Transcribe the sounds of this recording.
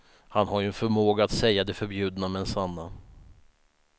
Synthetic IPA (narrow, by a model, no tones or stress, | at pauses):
hanɦaɾjɵɛnfœɾmoːɡaːt̪sɛjːad̪ɛfœɾbjʉ̟ːd̪namɛɛnsanːa